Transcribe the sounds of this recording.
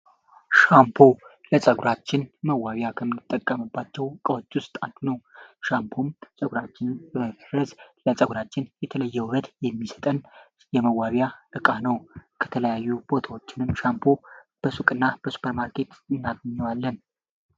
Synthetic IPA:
ʃampʰo̞ | ləsʼəɡuɾat͡ʃːɪnməwːaβjakʰəmɨnːɨt̪ʼːəkʼːəmɨbːat͡ʃːɛwkʼəwot͡ʃːwʊst̪ʼad̪unəwʃampʰomsʼəɡuɾat͡ʃːɪnjɛməbərəzləsʼəɡuɾat͡ʃːɪnjɛt̪ʰələjːɛwβəd̪jɛmːisə̥t̪ʼən | jɛməwːaβjaʔɨkʼanəwkʰə̥t̪ʰələjajːub̥o̞t̪ʰawot͡ʃːɪnɨmʃampʰo̞ | b̥əsukʼɨnːab̥əsu̥pʰəɾmaɾkʰe̞t̪ɨnːaɡəɲːɛwalːən

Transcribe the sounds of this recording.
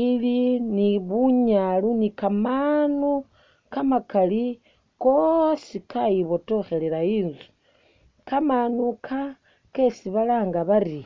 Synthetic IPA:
iliniβuɲalunikamanu | kamakali | kosikajiβoto̞xe̞leɾaiːnzu̥ | kamanukʰa | kesiβalaːŋɡaβari

